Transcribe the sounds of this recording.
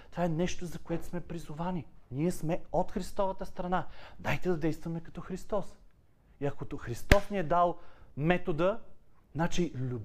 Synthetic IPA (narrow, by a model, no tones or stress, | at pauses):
t̪ovaɛnɛʃt̪ozɐkoɛt̪ʊ̥smɛpɾizʊvanʲiniɛsmɛot̪xɾist̪ɔvət̪əst̪ɾɐnad̪ajt̪ɛd̪ɐd̪ɛjst̪vɐmɛkɐ̥t̪ɔxɾist̪ɔs | iɐkoxɾist̪ɔsniɛd̪alˠmɛt̪od̪əznat͡ʃilʲub